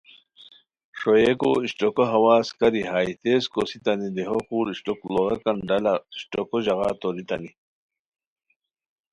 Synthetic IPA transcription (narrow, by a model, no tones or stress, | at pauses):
ʂojeko̰iɕʈokoɦɐwaːskɐɾiɦaːit̪eːskosit̪ɐnid̪eɦokuːɾiɕʈokloɾɐkɐnɖɐlɐɕʈokoʑɐɣa̰ːt̪oɾit̪ɐ̰ni